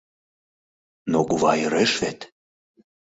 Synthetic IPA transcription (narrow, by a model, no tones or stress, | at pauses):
noɡuvɑjəɾeʃvet̪